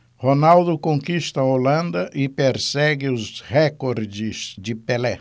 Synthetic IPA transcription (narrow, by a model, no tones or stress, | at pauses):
honawd̪ʊkõŋkist̪ɐolɐ̃nd̪ɐʔɪpeɾsɛɡɪʊzhekoɾd͡ʒɪzd͡ʒɪpelɛ